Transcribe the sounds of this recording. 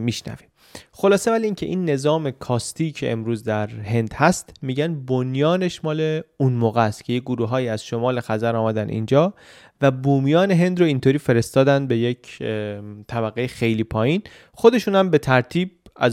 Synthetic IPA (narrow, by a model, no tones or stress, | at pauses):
miʃnæ̰vim | xo̞lɒːse̞væliiːcʰe̞ʔiːnːe̞zɒːme̞kʰɒːst̪ʰiːcʰeʔḛmɾuːzd̪æɾhe̞nd̪̥hæst̪miːɟænbonjɒːneʃmɒːleunmoːɣæst̪cʰe̞jeɡoɾuːɦɒːjiːæz̥ʃo̞mɒːle̞xæzæɾɒːmæd̪ænḭnd͡ʒɒː | væbuːmijɒːne̞ɦe̞nd̪ɾoint̪ʰoːɾiːfe̞ɾest̪ɒːd̪ænd̪̚be̞jecʰ | t̪ʰæbæɣːejexe̞jliːpʰɒːjiːn | xod̪e̞ʃuːnhæmbe̞t̪ʰæɾt̪ʰiːb̚æz